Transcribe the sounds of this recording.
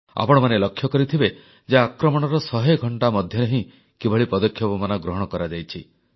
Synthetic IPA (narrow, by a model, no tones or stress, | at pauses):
a̰pɔɽ̃ɔmanelɔkʰːjɔkɔɾit̪ʰibe | d͡ʒaːkɾɔmɔɽ̃ɔɾɔsɔɦeɡʱɔɳʈamɔd̪ʱjɔnɔɦĩ | kibʱɔɭipɔd̪ɔkʰːjɔbɔmanɔɡɾɔɦɔɽ̃ɔkɔɾad͡ʒajt͡ʃʰi